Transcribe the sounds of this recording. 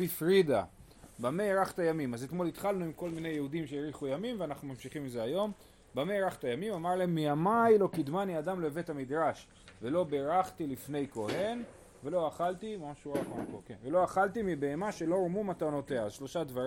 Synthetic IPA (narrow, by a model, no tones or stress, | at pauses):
bifʁid̪a̰ | bameʁaχt̪ajamimazet̪mo̞lit̪χalnuimko̞lmine̞jehudimʃeeʁiχujamimveanaχnumamʃiχimezeajo̞m | bameʁaχtajamimamaʁleemːiamajlo̞kid̪maniadamleve̞thamid̪ʁaʃ | velo̞be̞ʁaχt̪ilifne̞jko̞he̞n | ve̞lo̞aχalt̪imaʃuʁakmakokevelo̞aχaltimibe̞ːmaʃe̞lo̞ʁmumat̪ano̞te̞aʃlo̞ʃad̪vaʁi